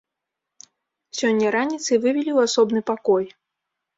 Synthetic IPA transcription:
sʲɔnʲːɐɾanʲit̪sɨvɨvʲilʲiwasɔbnɨpakɔj

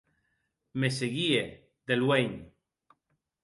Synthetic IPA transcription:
meseɣie | d̪elweɲ

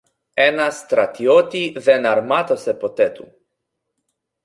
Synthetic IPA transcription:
ɛnast̪ɾat̪iot̪ivɛnaɾmat̪osɛpot̪ɛt̪u

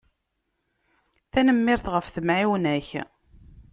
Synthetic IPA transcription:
θænəmːɪɾθʁəfθəmʕiwnæç

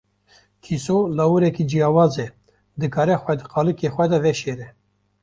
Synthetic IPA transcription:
k̪ʰisolɑwuɾɛkid͡ʒijɑːwɑːze | d̪ɨkɑːɾɛxʷɛd̪ɨqɑːlɨkexʷɛd̪ɛvɛʃeːɾɛ

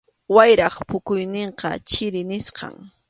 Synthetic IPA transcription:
wajɾɑχpʊkʊjnɪɴqɑ̰t͡ʃɪɾɪnɪsqɑ̰ŋ

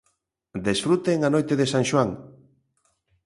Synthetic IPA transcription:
d̪esfɾut̪eŋanojt̪eðesãŋʃwaŋ

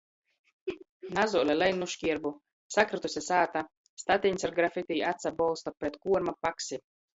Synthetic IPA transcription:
nazuɔlʲɛlɛjnuʃkʲiɛɾbu | sakɾat̪usʲɛsaːt̪a | st̪at̪ʲinʲsaɾɡɾafit̪ʲijat̪sabɔlˠst̪apɾɛt̪kuɔɾmapaksʲi

